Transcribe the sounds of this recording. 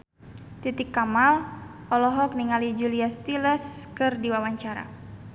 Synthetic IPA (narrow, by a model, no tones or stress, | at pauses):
t̪it̪ikːamal | ɔlɔɦɔk̚niŋalid͡ʒuliast̪iləskɨrdiwawaɲt͡ʃaɾa̰